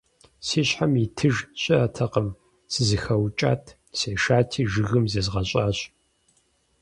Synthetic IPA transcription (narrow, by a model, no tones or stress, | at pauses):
siːɕħamitʰɨʒɕʼɪɐtʰɐqəm | sɨzɨxɐwt͡ʃʼa̰ːtʰ | seːʃaːtʰiːʒɨɣɨmzɐzʁɐɕʼaːɕ